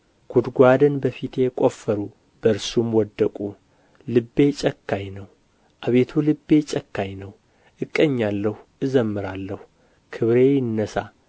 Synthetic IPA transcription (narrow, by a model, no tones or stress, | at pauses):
ɡ̥ʰud̪ɡʷad̪ɨnbəfit̪ʰe̞kʼo̞fːəɾu | b̥əɾsumwɔd̪ːəkʼu | lɨbːe̞t͡ʃʼəkːajnəw | ʔaβet̪ʰulɨbːe̞t͡ʃʼəkːajnəw | ʔɨkʼːəɲːalːəhuʔɨzəmːɨɾalːəh | kʰɨβɾe̞jɪnːəsa